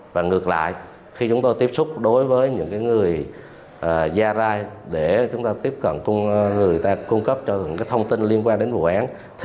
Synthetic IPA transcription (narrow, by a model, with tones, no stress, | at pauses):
vaː˨˩ŋɨ˨˩ək̚la̰ː˧˨jʔ | xi˧t͡ɕʊ˨˦ŋ͡mt̪o˧jt̪i˦˥əp̚sʊ˦˥k͡p̚ɗo˨˦jvəː˨˦jɲɨ̰˧˥ŋkaː˨˦jŋɨ˨˩əj | ʔəː˨˩zaː˧zaː˧jɗe˧˩t͡ɕʊ˨˦ŋ͡mt̪aː˧t̪i˦˥p̚kə̰˧˨nkʊ˧ŋ͡mŋɨ˨˩əjt̪aː˧kʊ˧ŋ͡mkə˦˥p̚t͡ɕɔ˧ɨ̰˧˩˥ŋkaː˨˦jt̪ʰə˧wŋ͡mt̪i˧nli˧ənkwaː˧nɗe˨˦nvṵ˧˨ʔaː˨˦n | t̪ʰ